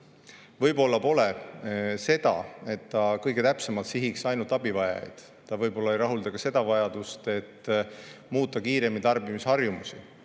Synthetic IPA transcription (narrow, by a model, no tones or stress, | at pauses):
vɤjbo̞lːɑpo̞le | se̞d̪̥ɑ̰e̞t̪ːɑkɤjɡ̥e̞t̪æpse̞mɑlt̪siɦiksɑjnult̪ɑbivɑjɑ̰jd̪̥ | t̪ɑvɤjbo̞lːɑejɾɑɦuld̪ɑkɑse̞d̪̥ɑvɑjɑd̪̥ust̪e̞t̪ː | muːt̪ˑːɑkiːɾe̞mit̪ɑrbimishɑrjumusi